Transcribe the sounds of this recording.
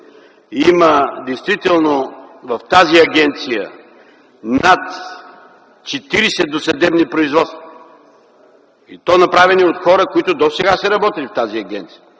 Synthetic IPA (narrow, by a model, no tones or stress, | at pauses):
iməd̪ɛjst̪vit̪ɛlˠnovɐft̪aziɐɡʲɛnt̪sijə̰ | nat̪ | t͡ʃɛt̪iɾisɛd̪osɐd̪ɛbnipɾoizvɔt̪st̪və | ḭt̪ɔnɐpɾavɛniot̪xɔɾəkoit̪ʊd̪osɛɡasɛɾɐbɔt̪ilift̪aziɐɡɛnt̪sijə